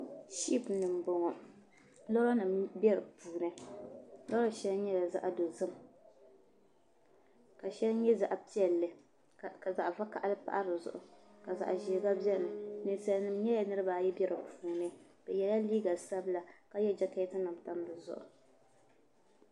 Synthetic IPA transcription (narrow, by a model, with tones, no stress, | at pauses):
ʃi˦pnɨ˨m˨bo˨ŋɔ˨ | la˦a˦nɨ˨mbɛ˦ɾɨ˨puː˨nɨ˦ | la˦ɾa˦ʃɛ˦lɲɛ˦la˨za̰˦ʔa˨do˨zɨ˦m | ka˨ʃɛ˦lɲɛ˦za˨ʔpi˦ɛ˨lːɨ˨ | ka˨za˨ʔva˦ka̰˨ʔa˦lɨ˦pa̰˦ʔa˦ɾɨ˨zʊ̰˨ʔʊ˨ka˨za̰˨ʔʒiː˨˦ɡa˦bjɛ˦˨nɨ˨nɨ˨sa˨lnɨ˨mɲɛ˦ja˨nɨ˦ɾɨ˦baː˨jɛ˦bɛ˦ɾɨ˨puː˨nɨ˦ | b̥ɛ˨jɛ˨˦la˦liː˦ɡa˨sa˦bla˨ka˦jɛ˦d͡ʒa˦ka˦tɨ˦na˨mta˦mbɨ˨zʊ̰˦ʔʊ̰˨